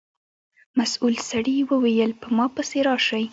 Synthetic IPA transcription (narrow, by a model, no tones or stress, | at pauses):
masulsaɽiwəwejəlpəmɑpəseɾɑʃaj